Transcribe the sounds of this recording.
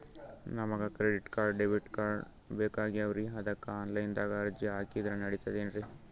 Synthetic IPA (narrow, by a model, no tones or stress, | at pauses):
nɐmɐɡɐkɾeɖiʈkaːɾɖeʋiʈkaːɾ | beːkaːɡiɐʋɐɾiɦɐd̪ɐkːɐaːnlɐjnd̪aːɡɐːɾd͡ʒiɦaːkid̪ɾɐnɐɽit̪ɐd̪eːnɾi